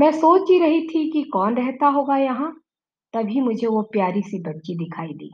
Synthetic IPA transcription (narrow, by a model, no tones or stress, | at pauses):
mɛ̃ːsoːt͡ʃɡiɾɐɦit̪ʰikikɔːnɾɛɦt̪aɦoːɡajɐɦã | t̪ɐbʱimʊd͡ʒʱeʋopjaːɾisibɐtːʃid̪ɪkʰaːid̪ḭː